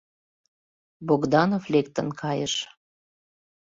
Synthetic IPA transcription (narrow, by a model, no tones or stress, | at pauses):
boɡd̪ɑnoflekt̪ə̆nkʰɑjəʃ